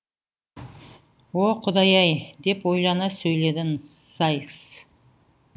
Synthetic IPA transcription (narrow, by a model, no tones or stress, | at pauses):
woqʰʊd̪ɑjɑjd̪e̞pwo̞jlˠɑnɑsɵjle̞d̪ɪnsajks